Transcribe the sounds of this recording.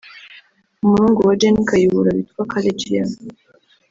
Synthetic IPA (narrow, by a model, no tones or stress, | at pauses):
umuɾuːŋɡowad͡ʒenikajiβuɾaβitwakʰaled͡ʒija